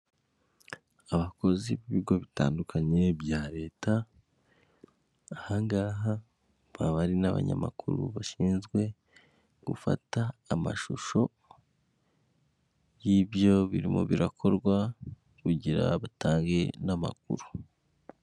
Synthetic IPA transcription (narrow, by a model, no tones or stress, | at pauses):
aβako̞ziβiβiɡo̞βita̰ːndukʰaɲe̞bjaːɾe̞ːta | haŋɡaːɦa | βaβaɾinaβa̰ɲa̰ma̰kʰuɾṵβaʃiːnzɡwe̞ | ɡ̥ufa̰taːmaʃuʃo̞ | jibjo̞βiɾimo̰βiɾakʰo̞ɾɡwa | kuɟiɾa̰βatʰaːŋɡe̞nama̰k̚uɾu